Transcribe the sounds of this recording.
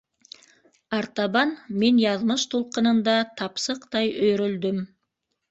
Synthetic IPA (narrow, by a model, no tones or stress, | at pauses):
ɑɾt̪ɑbɑnme̞njɑðməʃt̪ʰolˠqənənd̪ɑt̪ʰɑpsəqt̪ɑjɵɾɪld̪ɪm